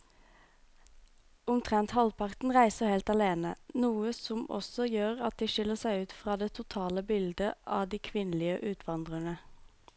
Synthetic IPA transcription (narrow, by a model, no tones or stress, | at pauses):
ʊmt̪ʰʁɛnt̪hɑlpʰɑʁt̪n̩ʁæɪsəheːlt̪ɑleːnənuːəsɔmɔ̰sɔjøːʁɑt̪̚d̪iːʃɪləʁsæɪʉːt̪fʁɑːd̪eːt̪ʰʊt̪ʰɑːləbɪld̪əʔɑːd̪iːkʰʋɪnlɪəʔʉːt̪ʰʋɑnd̪ʁəɳə